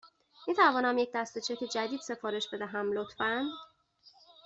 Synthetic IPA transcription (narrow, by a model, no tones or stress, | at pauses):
miːt̪ʰævɒːnæmjec̚ʰd̪æst̪e̞t͡ʃʰeced͡ʒæd̪iːd̪̥se̞fɒːɾe̞ʃbe̞d̪æɦæmlot̪ʰfænd̪